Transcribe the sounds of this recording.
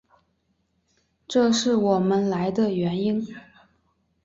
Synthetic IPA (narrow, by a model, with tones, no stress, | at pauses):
ʈ͡ʂɤ˥˧ʂɻ̩˥˩wɔ˨˩mə˦nla˧˥ɪd̪ə˧ɥɛ˧˥ni˥n